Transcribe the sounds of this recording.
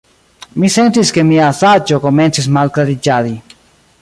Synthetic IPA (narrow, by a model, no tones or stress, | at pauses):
misent̪iskemiasat͡ʃokomensismalklaɾit͡ʃaði